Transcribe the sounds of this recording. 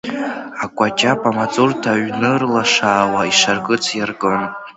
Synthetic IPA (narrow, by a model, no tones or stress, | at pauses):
akʷʼat͡ʃʼapʼamat͡sʼurtʰaɥnɨrlaʂaːwaiʂarkʼɨt͡sʰjarɡʼɨn